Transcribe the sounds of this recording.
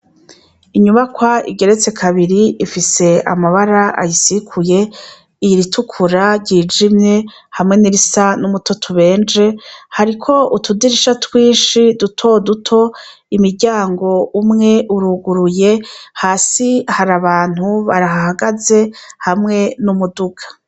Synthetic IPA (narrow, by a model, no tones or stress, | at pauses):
iɲuβakwaḭɡe̞ɾe̞t͡se̞kʰaβiɾiifise̞a̰maβaɾaʔa̰jisikʰuje̞ | iɾitʰukʰuɾaɾɟiːd͡ʒimɲe̞ | hamŋe̞niɾisanumutʰo̞tʰuβe̞ːnd͡ʒehaɾikʰo̞utudiɾiʃatʰwiːnʃidutʰo̞dutʰo̞ | imiɾɟaːŋɡo̞umŋe̞ʔuɾuɡuɾuje̞haːsihaɾaβaːn̥huβa̰ɾaɦahaɡaze̞hamŋe̞numuduɡḁ